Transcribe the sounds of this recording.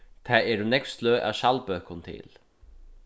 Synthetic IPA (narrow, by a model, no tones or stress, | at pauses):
t̪ʰaðɛɾʏnɛkfst̪lœːʔa̰wʃalpœːkʊnt̪ʰɪ̰l